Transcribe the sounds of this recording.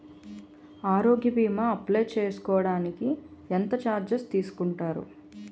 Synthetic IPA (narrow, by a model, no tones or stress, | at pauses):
aːɾoːɡjɐbiːmɐɐplɐjt͡ʃeːsu̥kɔːɐɽaːnikient̪ɐt͡ʃaːɾd͡ʒɐst̪iːsu̥kuɳʈaːɾṵ